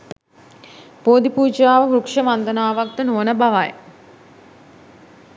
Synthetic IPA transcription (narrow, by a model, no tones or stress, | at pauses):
poːd̪ipuːt͡ʃaːʋəɦɾukʂəʋand̪ənaːʋakt̪ənoːnəbaʋa̰j